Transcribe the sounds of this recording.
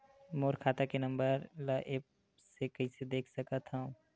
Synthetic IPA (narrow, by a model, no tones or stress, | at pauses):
moːɾkʰaːt̪akenɐ̃mbəɾləʔeːp̚ | sekɐised̪eːkʰsɐkət̪ɦãũ